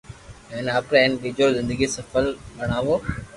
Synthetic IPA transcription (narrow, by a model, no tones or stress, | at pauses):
ɛːnaːpɾɛ̃ːnɗid͡ʑoɾzɪ̃nd̪əɡisɐfəlɓɐɽ̃aːʋoː